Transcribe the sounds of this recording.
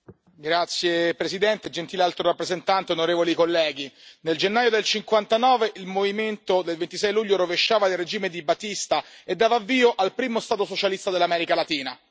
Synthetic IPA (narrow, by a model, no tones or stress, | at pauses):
ɡɾat̪sːjepɾesid̪ɛnt̪ed͡ʒent̪iːlealt̪ɾoɾapːɾezent̪ant̪eonoɾeːvolikolːɛːɡ̟ineld͡ʒenːaːjod̪elt͡ʃiŋkwant̪anɔːveʔilmoviment̪od̪elvent̪isɛjluʎːoɾoveʃːaːvaired͡ʒiːmed̪ibat̪ːist̪aed̪ːaːvaːvːiːoʔalpɾiːmost̪aːt̪osot͡ʃalist̪ad̪elːamɛːɾikalat̪iːna̰